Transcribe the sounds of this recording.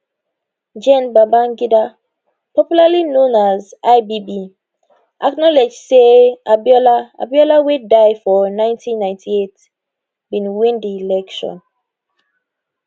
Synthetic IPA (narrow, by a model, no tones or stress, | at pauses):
d͡ʒɛ̃nbabãnɡida | pɔpjulalinõnazaɪbibi | ʔaknɔlɛd͡ʒseabjɔlaa̰bjɔlawedaɪfɔnãɪ̃ntʰĩnːãj̃ntʰiet | bĩnwĩndiːlɛkʃɔ̰̃n